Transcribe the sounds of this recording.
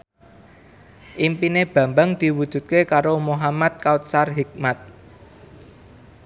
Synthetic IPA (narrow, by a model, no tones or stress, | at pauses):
ʔimpineb̥ä̤mbaŋd̪̥i̤wud̪̥ṳt̪̚kekaɾomoɦamat̪̚kaut̪̚sarɦik̚mat̪̚